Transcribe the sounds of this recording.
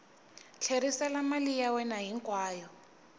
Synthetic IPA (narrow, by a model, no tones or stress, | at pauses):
t͡ɬʰeɾisalamalijawɛnaɦiŋkʼwaːjɔ